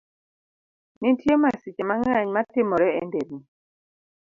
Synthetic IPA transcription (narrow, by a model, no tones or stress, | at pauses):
nintʰiemasit͡ʃɛmaŋaɲmatemɔɾɛɛndɛmi